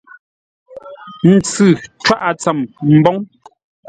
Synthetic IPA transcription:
n̩˨t͡sɨ˨t͡ʃwa˦ʔa˨t͡sa˨mm̩˨bɔ˦ŋ

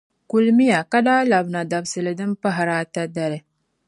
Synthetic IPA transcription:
ku˨lmi˦ja˨ka˦daː˦la˨bna˨da˨bsɨ˨lɨ˨dɨ˦mpa˦ɦa˨ɾaː˦ta˦da˨ɾɨ˨

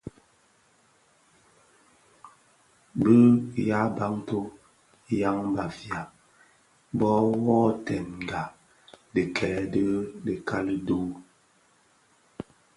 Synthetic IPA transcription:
bə˦ja˦ba˦ŋto˦ | ja˦ŋba˨fja˨ | bɔ˦wɔː˦tɛ˨n˨ɡa˨ | də˨kʰɛ˨ɛ˨də˦də˨kʰa˦lə˦duː˦

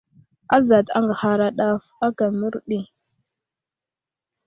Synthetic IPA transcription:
a˦za˨ta̰˦ŋɡa˨ha˦ɾa˦ɗa˦fa˦ka˨mi˦ɾɗi˦

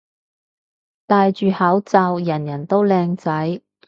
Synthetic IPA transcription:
t̪aː˨˧jt͡ʃyː˨˧haː˨˥wt͡sɐː˧wjɐ˨˩njɐ˨˩nt̪o˥wlɛː˧ŋt͡sɐ˨˥j

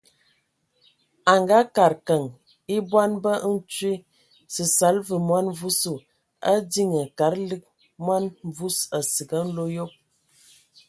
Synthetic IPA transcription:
a˨ŋɡa˦ka˨ɾkə˨ŋ | i˦bwa˦nbə˦n̩˦t͡ʃwi˦ | sə˨sa˨˦lvə˨mwa˦nvu˦su˨ | a˦di˦ŋə˨ka˨˦ɾlɨ˦k̚ | mwa˦n˦vu˦sə˨si˨ɡə˦n̩˦lo˦jo˦p̚

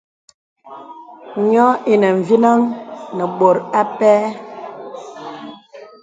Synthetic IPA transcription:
ɲɔ˦i˨nə˨ɱ̩˨vi˦na˦ŋnə˨ɓo˨ɾa˦pɛː˦

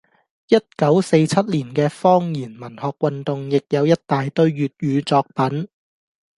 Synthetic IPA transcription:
jɐ˥t̚kɐ˨˥wse˧jt͡sʰɐ˥t̚liː˨˩nkɛː˧fɔː˥ŋjiː˨˩nmɐ˨˩nhɔː˧k̚wɐ˨nt̪ʊ˨ŋjɪ˨k̚jɐ˨˧wjɐ˥t̚t̪aː˨jt̪ɵ˧ɥjyː˨t̚jyː˨˧t͡sɔː˧k̚pɐ˨˥n

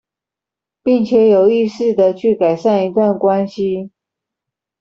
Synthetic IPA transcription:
pi˥˩ŋt͡ɕʰjɛ˨˥jo˨˩ʊi˥˧ʂɻ̩˥˩d̪ə˨t͡ɕʰy˥˩ka˨˩ɪʂa˥˩ni˧˥t̪wa˥˩nkwa˦nɕi˦

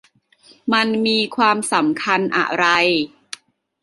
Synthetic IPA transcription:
ma˧nmiː˧kʰwaː˧msa˩˦mkʰa˧nʔa̰˨˩ɾa˧j

